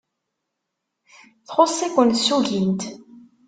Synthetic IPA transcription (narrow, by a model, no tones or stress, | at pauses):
θχʊsˤækʷːənt̪sːuʝint̪